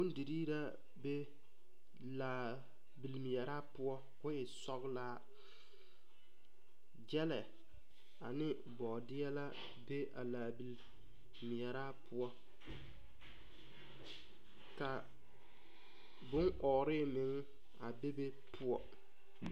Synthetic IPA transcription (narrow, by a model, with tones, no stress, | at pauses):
bʊ˦n˦di˨ɾiː˦ɾa˦ | be˦ | laː˨ | bi˨lmɪ˨jɛ˨ɾaː˦pʊ˦ɔ˦ | kʊ˦ɪ˨sɔ˦ɣlaː˦ | d͡ʒɛ˦lɛ˨ | a˨nɪ˦ | bɔ˨dɪ˦ɛ˦la˦ | be˦ʔa̰˨laː˨bi˨l | mɪ˨ɛ˨ɾaː˦pʰʊ˦ɔ˦ | ka˨ | bʊ˦ŋʔɔː˨ɾɪ˦mɪ˨ŋ˦ | a˨be˦be˦ | pʰʊ˦ɔ˨